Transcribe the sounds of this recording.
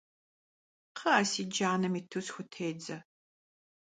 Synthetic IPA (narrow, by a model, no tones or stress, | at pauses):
qʰɐaːsiːd͡ʒaːnɐmitʰɨsxʷʊtʰeːd͡zɐ